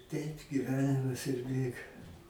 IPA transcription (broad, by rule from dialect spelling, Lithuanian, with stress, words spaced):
ˈtʲɛɪp ɡʲɪˈʋʲæːnʲɪmɐs ɪr ˈbʲeːɡɐ